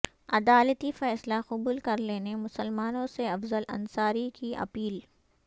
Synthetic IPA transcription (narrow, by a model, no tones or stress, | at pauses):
ɐd̪aːlət̪ifɛːslaxʊbuːlkɐɾleːnemʊsəlmaːnõseɐfzəlɐ̰̃nsaːɾikiʔɐ̰piːl